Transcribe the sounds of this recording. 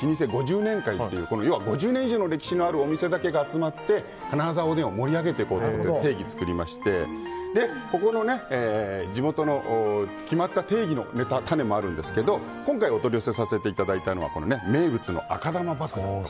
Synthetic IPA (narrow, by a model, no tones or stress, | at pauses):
ɕiɲ̟is̬e̞ɡo̞ʑɨːnẽ̞ŋkait̪ːe̞jɯ̟ːko̞no̞jo̞ːβaɡo̞ʑɨːnẽiʑoːno̞ɾe̞kʲi̥ɕino̞aɾɯ̟o̞mʲise̞d̪ake̞ɡaːt͡sɨmat̪ːe̞ | kanaɾazao̞ːd̪ẽɰ̃omo̞ɾʲiaɡe̞t̪e̞iko̞ːt̪ot̪t̪e̞ːɡʲit͡sɨ̥kɯ̟ɾʲimaɕi̥t̪e̞d̪e̞ko̞ko̞no̞ne̞eːd͡ʑimo̞t̪o̞no̞ʔː | kʲimat̪ːat̪e̞ːɡʲino̞̰me̞t̪at̪ane̞mo̞aɾɯ̟̃nd̪e̞sɨ̥ke̞d̪o̞ | kõ̞ŋkaio̞t̪o̞ɾʲjose̞sase̞t̪e̞it̪ad̪ait̪ano̞βa̰ko̞no̞ne̞me̞ːbɯ̟t͡sɨno̞̰ʔa̰kad̪amabakɯ